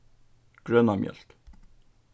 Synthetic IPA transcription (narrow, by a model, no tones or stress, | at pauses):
ɡ̥ɹœnɑmjœ̰lt̪